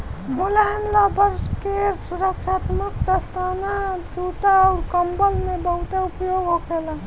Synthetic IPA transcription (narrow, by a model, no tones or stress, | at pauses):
mulaɦemlabəɾskesuɾəkʃaːt̪mək̚d̪əst̪aːnat͡ʃuːt̪aɔːɾkəmbəlmẽbəɦʊt̪eupjoɡɦokela